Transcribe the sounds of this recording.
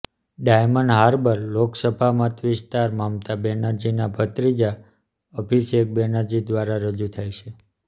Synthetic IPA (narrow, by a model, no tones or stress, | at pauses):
ɖajməɳɖɦaɾbəɾloksəbʱamət̪ʋɪst̪aɾmamt̪abɛnaɾd͡ʒinabʱət̪ɾid͡ʒa | ɔpʰisek̚bɛnaɾd͡ʒid̪ʋaɾaɾəd͡ʒut̪ʰajt͡ʃʰe